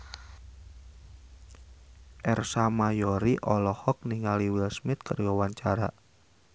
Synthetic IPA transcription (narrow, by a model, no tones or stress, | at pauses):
ʔɛrsamajɔɾiʔɔlɔhɔk̚niŋaliwɪlsmɪt̪̚kərɡɔwaɲt͡ʃaɾa̰